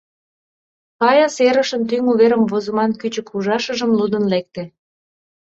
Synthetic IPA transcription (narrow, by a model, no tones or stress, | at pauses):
kɑjɑseɾə̆ʃənt̪yŋuβeɾəmvozəmɑnkyt͡ɕəkuʒɑʃəʒəmlud̪ənlek̚t̪ĕ